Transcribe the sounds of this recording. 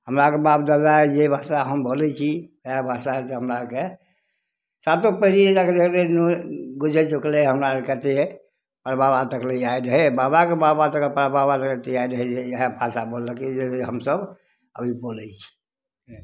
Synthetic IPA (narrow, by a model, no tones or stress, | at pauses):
həmɾakebabd̪ad̪aɛd͡ʒebʱasaɦəmbolɛt͡ʃʰiəjabʱasaɦɛseɦəmɾake | sat̪opəɦɾiekaked̪ekʰlenuɡud͡ʒʱɛt͡ʃukleɦəmɾalekət̪e | pəɾbabat̪əkleaiɾəɦɛbabakebabat̪əklpəɾbabat̪əket̪eaiɾəɦɛd͡ʒeəɦɛbʱasabolːəkid͡ʒeɦəmsəb | ə̰bʱipolɛt͡ʃʰi̥